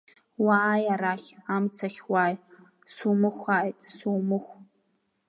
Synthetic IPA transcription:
waːjaɾaχʲamt͡sʰaχʲwaj | sumɨχʷaʔijtʼsuːmɨχʷ

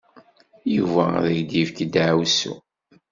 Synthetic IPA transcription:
juvæðæçd̪ivkd̪ʕwsṵ

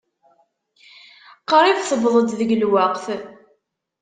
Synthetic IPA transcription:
qəɾˤivθəvðˤəd̪ðəɡlwaqθ

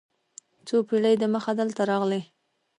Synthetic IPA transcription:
t͡sopiɽəjd̪əməxad̪əlt̪aɾɑɣle

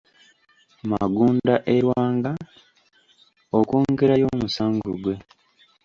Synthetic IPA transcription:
ma̰ɡuːndaʔeɾwaːŋɡa | okuːŋɡeɾajo̞ːmusaːŋɡoɡwe̞

